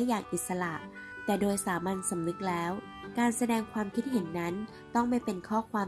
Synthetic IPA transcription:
jaː˨˩ŋʔi˨˩t̪̚sa˧la˨˩ʔ | t̪ɛː˨˩doː˧jsaː˩˦ma˧nsa˩˦mnɯ˦˥k̚lɛː˦˥w | kaː˧nsa˧dɛː˧ŋkʰwaː˧mkʰi˦˥t̪̚ɦe˩˦nːa˦˥n | t̪ɔ˥˩ŋma˥˩jpe˧nkʰɔː˥˩kʰwaː˧

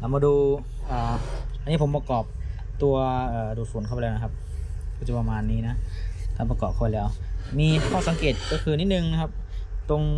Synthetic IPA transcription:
la˨˩˦maː˧duː˧ | ʔaː˨˩ʔa˧niː˦˥˩pʰo˩˦mpa˧kɔː˨˩p̚ | t̪u˧ɐʔɤː˨˩duː˨˩t̪̚fuː˨˩˦nkʰːplːna˦˧kʰa˧˥p̚ʰːt͡ɕu˨˩pa˧maː˧nːiː˦˥˩na˦˥k̪aː˧˩pa˧kɔː˨˩p̚kʰaː˧˩plɛː˦˥wmiː˧kʰɔː˥˩sa˨˦ŋkeː˨˩t̪̚kɔ˥˩kʰɯː˧niː˦˥˩nɯ˨˩ŋna˦˥kʰa˦˥p̚t̪o˧ŋ

